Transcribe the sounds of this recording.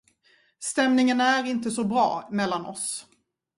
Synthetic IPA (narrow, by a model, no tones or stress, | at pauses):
st̪ɛmnɪŋənæɾɪnt̪əsɔbɾɑ̰ːmɛlːanʔɔ̰s